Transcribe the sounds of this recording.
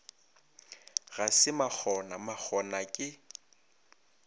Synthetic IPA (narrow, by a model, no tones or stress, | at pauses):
ɣasɪmak͡xʰɔnamak͡xʰɔnakʼɪ